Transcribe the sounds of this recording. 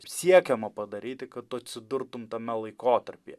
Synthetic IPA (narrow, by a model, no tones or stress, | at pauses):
sʲiɛkʲɛmɐpɐd̪ɐɾʲiːt̪ʲɪkɐt̪ɐt̪ʲsʲɪd̪ʊɾt̪ʊmt̪ɐmʲɛlˠɐɪkoːt̪ɐɾʲpʲeː